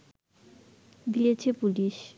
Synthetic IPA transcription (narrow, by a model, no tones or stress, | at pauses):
d̪ijet͡ɕʰepuliʃ